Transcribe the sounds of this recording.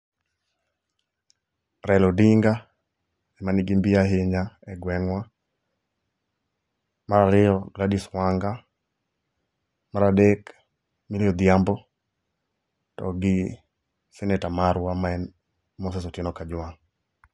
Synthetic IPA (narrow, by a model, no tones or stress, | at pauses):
ɾɛlɔdiŋɡa | ɛmanɪɡɪmbiaɦeɲaɛɡwɛŋwa | maɾaɾɪɔɡladiswaŋɡa | maɾadek | miljɔd̪ɪjambɔ | tɔ̰ɡɪ | sɛnɛtamaɾwamaɛn | mɔs̬ɛsɔtɪnɔkad͡ʒwaŋ